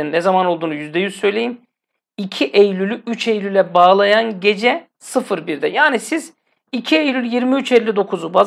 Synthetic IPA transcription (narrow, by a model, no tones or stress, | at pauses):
nːɛzamano̞lˠd̪uːnujyzd̪ɛjyzsø̞jlʲe̞jim | icʰiʔejlʲylʲyʔyt͡ʃʰejlʲylʲɛbaːlˠajanɟe̞d͡ʒɛ | sɯfɯɾbiɾd̪ɛjaːnisiz | icʰiejlʲylʲjiɾmiyt͡ʃɛlʲːid̪o̞kʰuzubaz